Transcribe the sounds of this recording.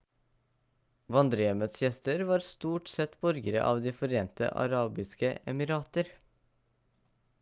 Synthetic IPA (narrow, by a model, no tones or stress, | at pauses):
ʋɑnd̪ɾəjɛmət̪sjɛst̪əɾʋɑːɾst̪uːʈsɛt̪bɔɾɡəɾə̰ʔɑ̰ːʋd̪iːfɔɾeːnt̪ə̰ʔɑ̰ɾɑːbɪskəɛmɪɾɑːt̪əɾ